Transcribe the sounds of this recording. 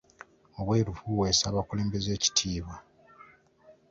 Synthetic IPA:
o̞βwe̞ːɾufuweːsaːβakuleːmbe̞ze̞ːci̥tʰiːβa

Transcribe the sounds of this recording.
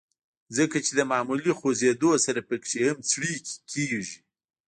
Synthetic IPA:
zəkat͡ʃed̪əmɑmulixozed̪osaɾapəkʂehamt͡sɽikkʰeʒi

